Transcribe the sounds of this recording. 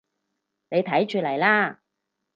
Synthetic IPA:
ne˨˧jt̪ʰɐ˨˥jt͡ʃyː˨˧lɐ˨˩jlaː˥

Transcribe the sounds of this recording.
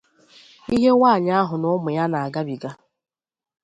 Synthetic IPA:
i˦ɦe˦waː˦˨ɲa˦a˦ɦʊ˨nʊ˦mʊ˨ja˦na˨a˨ɡa˦bi˨ɡa˦

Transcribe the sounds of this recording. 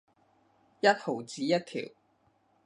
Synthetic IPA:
jɐ˥t̚ho˨˩wt͡siː˨˥jɐ˥t̚t̪ʰḭː˨˩w

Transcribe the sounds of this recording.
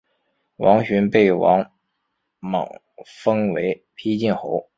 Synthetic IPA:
wɑ˧˥ŋɕy˧˥npe˥˩ɪwɑ˧˥ŋ | mɑ̰˨˩ŋ | fɤ˥ŋwe˧˥ɪpʰi˥t͡ɕi˥˩nxo˧˥ʊ

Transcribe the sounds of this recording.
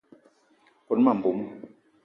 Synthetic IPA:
ko˨n˦ma˨m̩˨bu˨˦m˦

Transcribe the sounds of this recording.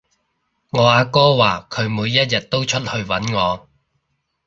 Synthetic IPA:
ŋɔː˨˧˥aː˧kɔː˥waː˨˩kʰɵ˨˧ɥmuː˨˧jːɐ˥t̚jɐ˨t̚t̪o˥wt͡ʃʰɵ˥t̚hɵ˧ɥwɐ˨˥nŋɔː˨˧

